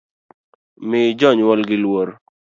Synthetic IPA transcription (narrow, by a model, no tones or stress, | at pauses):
mɪd͡ʒɔɲwɔlɡɪlwoɾ